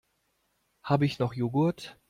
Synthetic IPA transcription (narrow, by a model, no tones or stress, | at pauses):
haːbəɪçnɔχjoːɡʊɐt